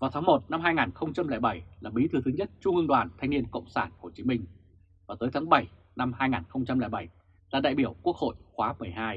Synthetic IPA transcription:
vaː˨˩t̪ʰaː˨˦mo˨˩t̚na˧mɦaː˧jŋaː˨˩nxə˧wŋ͡mt͡ɕa˧mlɛ˧˩jɓa˧˩jlaː˨˩ɓi˨˦t̪ʰɨ˧˩t̪ʰɨ˨˦ɲə˦˥t̚t͡ɕʊ˧ŋɨ˧ŋɗwaː˨˩nt̪ʰa˧ŋ̟ni˧ənkə̰˧˨wŋ͡msaː˧˩nho˨˩t͡ɕi˨˦mï˧ŋ̟ | vaː˨˩t̪əː˨˦jt̪ʰaː˨˦ŋɓə˧˩j | na˧mhaː˧jŋaː˨˩nxə˧wŋ͡mt͡ɕa˧mli˧˩jɓa˧˩j | laː˨˩ɗa̰ː˧˨jɓi˧˩əwku˦˥ək̚ho̰˧˨jxwaː˨˦mɨ˨˩əjɦaː˧j

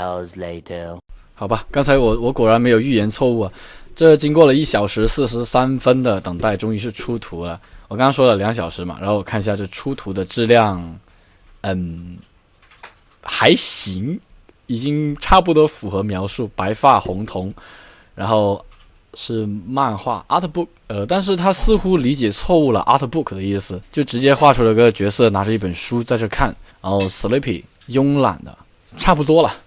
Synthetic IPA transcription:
əzleɪtʰə | xɑ˨˩ʊbɐ˦kɑ˥ŋt͡sʰa˧˥ɪwɔ˨˥wɔ˧˥kwɔ˨˩ɻa˧˥nme˧˥ɪjo˨˩ʊy˥˩jɛ˧˥nt͡sʰwɔ˥˧u˥˩ɐ˨˩ʈ͡ʂɤ˥˩t͡ɕi˥ŋkwɔ˥˩lə˩i˥˩ɕjɑ˨˩ʊʂɻ̩˧˥sɹ̩˥˩ʂ̬ɻ̩˧˥sa˥nfə˥nd̪ə˨t̪ɤ˨˩ŋt̪a˥˩ɪʈ͡ʂʊ˥ŋi˥˧ʂ̬ɻ̩˥˩ʈ͡ʂʰu˥t̪ʰu˧˥lə˧wɔ˨˩kɑ˥ŋɑ˥ŋʂwɔ˥lə˨ljɑ˧˥ŋɕ̬jɑ˨˩ʊʂɻ̩˧˥mɐ̰˩ɻa̰˧˥nxo˥˩wɔ˨˩kʰa˥˧ni˧ɕja˥˧ʈ͡ʂɤ˥˩˧ʈ͡ʂʰu˥t̪ʰu˧˥d̪ə˧ʈ͡ʂɻ̩˥˧ljɑ˥˩ŋ | ə˥˩n | xa˧˥ɪɕi˧˥ŋ | i˨˩t͡ɕi˥ŋʈ͡ʂʰa˥˩pu˥˩t̪wɔ˥fu˨˩xɤ˧˥mjɑ˧˥ʊʂu˥˩pa˧˥ɪfa˥˩xʊ˧˥ŋt̪ʰʊ˧˥ŋ | ɻa˧˥nxo˥˩ʊ | ʂɻ̩˥˧ma˥˧nxwa̰˥˩ʔa˥t̪ʰə˧pu˥˩kə˧t̪a˥˧nʂ̬ɻ̩˥˩t̪ʰa˥sɹ̩˥˧xu˥li˧˥t͡ɕjɛ˨˩t͡sʰwɔ˥˧u˥˩lə̰˩ʔa˥t̪ʰə˧pu˥˩kʰd̪ə˦i˥˩sɹ̩˩t͡ɕjo˥˩ʊʈ͡ʂɻ̩˧˥t͡ɕjɛ˥xwa˥˧ʈ͡ʂʰu˧˥lə˧i˥ɡə˧t͡ɕɥɛ˧˥sɤ˥˩na˧˥ʈ͡ʂə˧i˥˩pə˨˩nʂu˥t͡sa˥˧ɪʈ͡ʂɤ˥˧kʰa˥˩nɻa˧˥nxo˥˩ʊs̩˨˩le˧˥ɪpʰḭ˨˩ | jʊ˥ŋla̰˨˩nd̪ə̰˦ | ʈ͡ʂʰa˥˩pu˥˩t̪wɔ˥lə˨˩

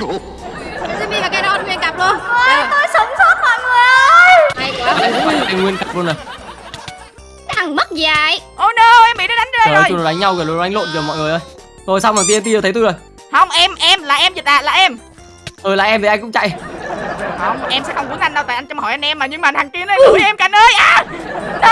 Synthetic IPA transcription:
sɛ̰˧˥ɓḭ˧˥aː˨˩kaː˨˦jɗɔ˧nŋwi˧ənka˨˩p̚lu˧ənː˧˨˧t̪o˧jsə˨˦ŋ͡mso˦˥t̚mɔ̰ː˧˨jŋɨ˨˧˦ | kʊ̰˧˥aː˨˩a˨˧˩ʔa˧jŋwi˧ənka˨˩p̚lu˧ənʔə˨˩j | t̪ʰa˨˩ŋmə˦˥t̚zaː˨˩jʔo˧˩nəː˧˩ʔɛ˧mɓḭ˧˥ɗe˨˦na˨˦jzə˧˨˧jno˨˩˨a˧˩j̟ɲa˧wɣə˨˩lo˧˩˨ʔa˧jŋlo̰˧˨nvɨː˨˩mɔ̰˧˨jŋɨ˨˩ə˩jʔəː˧j | zo˨˩jsa˧wmaː˨˩t̪̬e˧t̪i˧˨˩t̪ʰt̪u˧˩zo˨˩j | hə˧wŋ͡mʔɛ˧mʔɛ˧mlaː˨˩ʔɛ˧mzi˨˩t̪laː˨˩la̰ː˨˩ʔɛ˧m | ʔəː˨˩la̰ː˨˩ʔɛ˧mt̪ʰi˨˩a˧jŋkʊ̰˧˥ŋ͡mt͡ɕa̰˧˨j | hə˧˩wŋ͡mʔɛ˧msɛ̰˧˥xwŋ͡mku˨˦nla˧jŋɗə˧wt̪a̰ː˧˨jʔa˧ŋt͡ɕɔ˧ŋ͡mhɔ˨˩jʔa˧nʔɛ˧mːaː˨˩ɲɨ˧ŋmaː˨nt̪aː˨˩ŋki˧ənə˧˦˧ʔɛ˧mkaː˨˩nʔəː˧jʔaː˨˩n˧

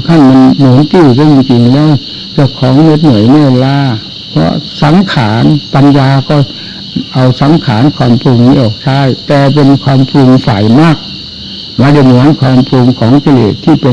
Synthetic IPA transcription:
kʰa˧˥˩nma˧˨nmuː˨˩˦nk̪ɯː˧˩ka˧˩˨ji˧ŋt͡ɕi˧ŋlɛː˦˥˩w | t͡ɕa˧˩wkʰɔː˨˦ŋne˦˥t̪̚nu˨˩˦əjmɛː˥˧˥laː˧ | pʰɔ̰˧˥sa˨˩˦ŋkʰaː˩˦npa˧njaː˧kɔː˧˥˩ | ʔa˧wsa˨˦ŋkʰaː˩˦nkʰwaː˧mpʰɾu˧ŋmiː˧˩˨ʔɔː˨˩k̚t͡ɕʰaː˧˥˩jt̪ɛː˨˩p̬e˧nkʰwaː˧mpʰɾu˧ŋfaː˨˩jmaː˥˩k̚ | maː˧˩da˧˩jmu˨˩˦ənkʰwaː˧mpʰlu˧ŋkʰɔː˩˦ŋki˧lḛː˨˩t̪ʰːiː˧˥˩pe˧

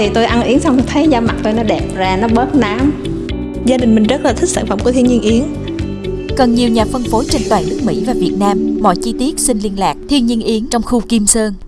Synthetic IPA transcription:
t̪ʰi˨˩t̪o˧jʔa˧nʔi˨˦əŋsa˧wŋ͡mt̪ʰə˨˦jzɔ˧ma˨˩t̚t̪o˧jnɔ˨˦ɗɛ˨˩p̚zaː˧˩nɔ˨˦ɓəː˦˥t̚naː˨˦m | zaː˧ɗï˨˩ŋ̟mi˨˩ŋ̟zə˦˥t̚laː˨˩i˦˥k̚sa̰ː˧˩nfə˧˩mku˧˩ət̪ʰənɲi˧ənʔi˨˦əŋ | kə˨˩nɲi˨˩əwɲaː˨˩fə˧nfo˨˦t͡ɕe˧nt̪waː˨˩nɨ˦˥k̚mḭ˧˥vaː˨˩vi˨˩ət̚naː˧mːɔ̰˧˨jt͡ɕi˧t̪i˦˥ət̚sï˧nli˧ənlaː˨˩k̚t̪ʰi˧ənɲi˧ənʔi˨˦əŋt͡ɕɔ˧wŋ͡mxu˧ki˧msəː˧n

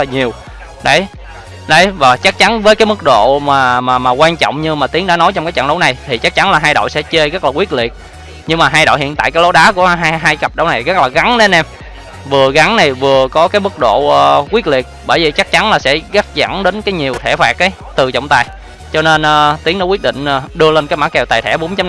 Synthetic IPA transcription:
laː˨˩ɲi˨˩əw | ɗə˨˦j | ɗə˨˦jvaː˨˩t͡ɕa˦˥k̚t͡ɕa˨˦nvəː˨˦jkaː˨˦mɨ˦˥k̚ɗo̰˧˨maː˨˩maː˨maː˨˩kwaː˧nt͡ɕɔ̰˧˨wŋ͡mɲɨ˧maː˨˩t̪i˨˦əŋɗaː˧˥no˨˦jt͡ɕɔ˧ŋ͡mkaː˨˦jt͡ɕə̰˧˨nɗə˨˦na˨˩jt̪ʰi˨˩t͡ɕa˦˥k̚t͡ɕa˨˦nlaː˨˩ɦaː˧jɗo̰˧˨sɛ̰˧˥t͡ɕe˧ɣə˦˥aː˨˩kwi˦˥ət̚li˨˩ət̚ | ɲɨ˧ŋmaː˨˩ɦaː˧jɗo̰˧˨hḭ˧˨ənt̪a̰ː˧˨kaː˨˦lo˨˦ɗaː˨˦ku˧˩əɦaː˧jɦaː˧jɣə˨˩p̚ɗə˨˦na˨˩jɣə˦˥k̚laː˨˩ɣa˨˦nɗe˨˦nʔɛ˧m | vɨ˨˩əɣa˨˦nna˨˩jvɨ˨˩əkɔ˨˦kaː˨˦jmɨ˦˥k̚ɗo̰˧˨˩kwi˦˥t̚li˨˩ət̚ɓəː˧˩jvi˨˩t͡ɕa˦˥k̚t͡ɕa˨˦nlaː˨˩sɛ̰˧˥ɣa˦˥k̚za̰˧˩nɗe˨˦nkaː˨˦jɲi˨˩əwt̪ʰɛ˧˩faː˨˩k̚ːaː˨˦ | t̪ɨ˨˩t͡ɕə̰˧˨wŋ͡mt̪aː˨˩j | t͡ɕɔ˧ne˧nʔːt̪i˨˦ŋno˧˦kwi˦˥əɗḭ˧˨ŋ̟ʔəː˨˩ɗɨ˧əle˧nkaː˨˦jmaː˧˥kɛ˨˩wt̪aː˨˩jt̪ʰɛ̰˧˩ɓo˨˦ŋ͡mt͡ɕa˨˦

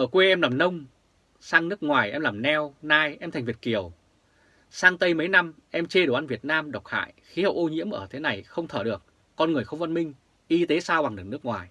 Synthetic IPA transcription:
ʔəː˧˩kwe˧ʔɛ˧mlaː˨˩mnə˧wŋ͡m | saː˧ŋnɨ˦˥ək̚ŋwaː˨˩jʔɛ̰˧mlaː˨˩mnɛ˧wnaː˧jʔɛ˧mt̪ʰŋ̟vi˨˩t̚ki˧˩əw | saː˧ŋt̪ə˧jmə˨˦jna˧mʔɛ˧mt͡ɕe˧ɗo˧˩ʔa˧nvi˨˩ət̚naː˧mɗə˨˩wk͡p̚ha̰ː˧˨jxi˨˦hə̰˨˧˨wʔo˧ɲḭ˧˥əmʔə̰ː˧˩t̪ʰe˨˦na˨˩jxə˧wŋ͡mt̪ʰəː˧˩ɗɨ˨˩ək̚ː | ɔ˧nŋɨ˨˩əjxə˧wŋ͡mvə˧nmï˧ŋ̟ | ʔi˧t̪e˨˦saː˧wɓa˨˩ŋɗɨ˨˩k̚nɨ˦˥ək̚ŋwaː˨˩j

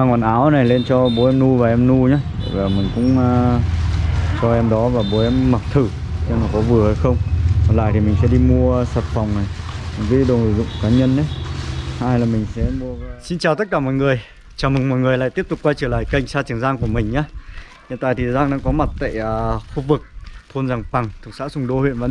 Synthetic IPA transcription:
aː˧ŋwɔː˨˩nʔaː˨˦wna˨˩jle˧nt͡ɕɔ˧ɓo˨˦ɛ˧mnu˧vaː˨˩ʔɛ˧mnu˧ɲa̰ː˦˧˩vaː˨˩mï˨˩ŋ̟kʊ̰˧˥ŋ͡mː | t͡ɕɔ˧ʔɛ˧mɗɔ˨˦vaː˨˩ɓo˨˦ɛ˧mːa˨˩t̪ʰɨ˧˩ | ɲɛ˧nɔ˨˩kɔ˨˦vɨ˨˩əha˧jxə˧wŋ͡mkɔ˨˩nla̰ː˧˨jt̪ʰi˨˩mï˨˩ŋ̟sɛ̰˧˥ɗi˧mu˧əsəː˨˩t̚fa˨˩wŋ͡mna˨˩ja˨˩nki˨˦ɗə˨˩n̰ː˨˧˩zʊ̰˧˨ŋ͡mkaː˨˦ɲə˧nʔə˨˦jhaː˧jlaː˨˩mï˨˩ŋ̟sɛ̰˧˥mu˧əsi˧nt͡ɕaː˨˩wt̪ə˦˥t̚kaː˧˩mɔ̰˧˨jŋɨ˨˩əj | t͡ɕaː˨˩wmɨ˨˩ŋmɔ̰˧˨jŋɨ˨˩əjla̰ː˧˨t̪i˦˥p̚t̪kwaː˧jt͡ɕəː˧˩la̰ː˧˨jka˧˩jŋ̟saː˧t͡ɕə˨˩ŋzaː˧ŋku˧˩əmï˨˩ŋ̟ɲaː˧˦ | hḭ˧˨nt̪a̰ː˧˨jt̪ʰi˨˩zaː˧ŋɗa̰ː˧˥kɔ˨˦ma˨˩t̚t̪a̰ː˧˨jːxu˧vɨ˨˩k̚t̪ʰo˧nzaː˨˩ŋpa˨˩ŋt̪ʰɨ˨˩ə˩ksa̰ː˧˥sʊ˧˩ŋ͡mɗo˧hḭ˧˨nvaː˨

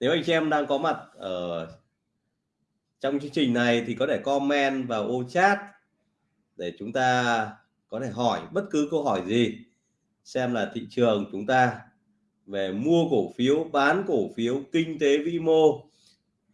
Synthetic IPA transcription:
ne˨˦wʔa˧jŋ̟ɛ˧mɗaː˧ŋkɔ˨˦ma˨˩t̚ʔəː˧˩ | t͡ɕwŋ͡mt͡ɕɨ˧əŋt͡ɕï˨˩ŋ̟na˨˩jt̪ʰi˨˩kɔ˨˦t̪ʰe˧˩kɔ˧mɛ˧nvaː˨˩wʔo˧t͡ɕaː˦˥t̚ | ɗe˧˩t͡ɕʊ˨˦ŋ͡mt̪aː˧ | kɔ˨˦t̪ʰe˧˩ɦɔ˧˩jɓə˦˥t̚kɨ˨˦kə˧wɦɔ˧˩jzi˨˩ | sɛ˧mlaː˨˩t̪ʰḭ˧˨t͡ɕɨ˨˩əŋt͡ɕʊ˨˦ŋ͡mt̪aː˧ | ve˨˩mu˧əko˧˩fi˨˦əwɓaː˨˦nko˧˩fi˨˦əwkï˧ŋ̟t̪e˨˦vḭ˧˥mo˧

